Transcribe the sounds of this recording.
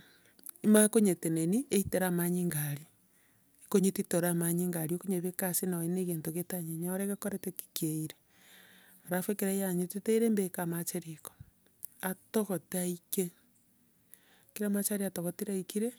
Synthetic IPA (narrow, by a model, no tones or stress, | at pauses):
imakoɲeteneniʔeiteɾamaɲiŋɡaɾi | koɲetitoɾamaɲiŋɡaɾiokoɲeβekasinaweneɣentoɣetaɲeɲaɾeɣekoɾeteki̥keiɾe | aɾafwekeɾajaɲetiteiɾembekamat͡ʃeɾiko̥ | atoɣotaike | kiɾamat͡ʃaɾiatoɣotiɾaikiɾe